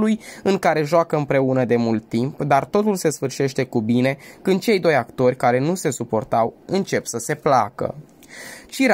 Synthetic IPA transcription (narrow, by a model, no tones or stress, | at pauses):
lujɨŋkaɾe̞ʒoakəɨmpɾe̞unəd̪e̞mult̪ːimpd̪art̪o̞t̪ulse̞sfɨrʃe̞ʃt̪e̞kubine̞kɨnd̪̚t͡ʃe̞jd̪o̞jakt̪o̞rʲkaɾe̞nuse̞supo̞rt̪awɨnt͡ʃe̞psəse̞plakə̰ | t͡ʃiɾ